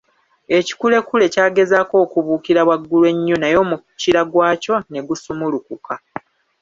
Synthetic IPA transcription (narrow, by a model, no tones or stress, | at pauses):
e̞ci̥kule̞kule̞caːɡe̞zaːko̞ːkuβuːkiɾaβwaɡːulwe̞ɲːo̞najo̞mu | ciɾaɡwaːco̞ne̞ɡusumulukuka